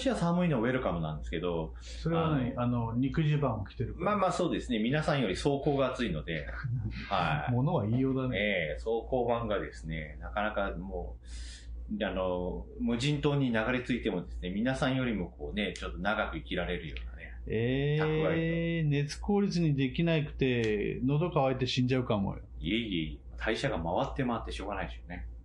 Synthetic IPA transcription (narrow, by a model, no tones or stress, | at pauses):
ɕiasamɯ̟inooeɾɯ̟kamo̞nã̰nd̪esɨ̥ke̞d̪o̞ | soɾeaanaanoɲikɯ̟ʑibãɰ̃okʲi̥t̪e̞ɾɯkmmaːmaːso̞ːd̪e̞sɨne̞mʲinasãɰ̃jo̞ɾʲiso̞ːko̞ːɡaːt͡sɨino̞d̪e̞haimonoβaiːjoːd̪aneso̞ːko̞ːbãŋɡad̪e̞sɨ̥ne̞nakanakamoː | ano̞mɯ̟ʑĩnt̪o̞ːɲ̟inaɡaɾe̞t͡sɨit̪e̞mo̞d̪e̞sɨne̞mʲinasãɰ̃jo̞ɾʲimo̞ko̞ːne̞t͡ɕo̞t̪ːo̞naɡakɯ̟ikʲiɾaɾe̞ɾɯ̟jo̞̰ːna̰ne̞eːaɯane̞t͡sɨ̥ko̞ːɾʲit͡sɨɲ̟id̪e̞kʲinaikɯ̟̥t̪e̞no̞d̪o̞kaβait̪e̞ɕĩɲ̟d͡ʑaɯ̟kamo̰j̰ | ieieimat̪ʰaiɕaɡamaβat̪ːe̞mat̪ːe̞ɕo̞ːɡanaid̪eɕone̞